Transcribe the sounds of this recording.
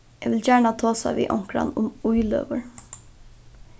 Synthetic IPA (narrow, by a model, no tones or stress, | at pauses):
ɛːʋɪljæːɳɑt̪ʰoːsɑ̰ʋḭːʔɔŋkɾɑ̰nʊmʊʏlø̰ːʋəɹ